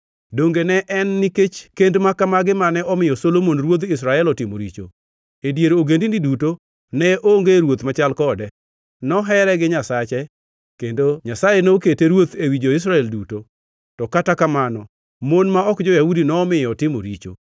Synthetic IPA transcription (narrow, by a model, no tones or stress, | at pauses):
doŋɡenɛʔɛnːiket͡ʃkendmakamaɡɪmanɛɔmɪjɔsolomonɾwod̪ɪs̬ɾaɛlɔtɪmo̰ɾḭt͡ʃo̰ | edjeɾoɡendindiduto | nɛʔoŋɡeɾwot̪mat͡ʃalkɔdɛ | nɔɦɛɾɛɡɪɲasat͡ʃɛ | kendoɲasajenoketeɾwot̪ewid͡ʒoɪs̬ɾaɛlduto | tɔkatakamanɔ | monmaɔkd͡ʒɔjahudinɔːmɪjɔtɪmo̰ɾḭt͡ʃo̰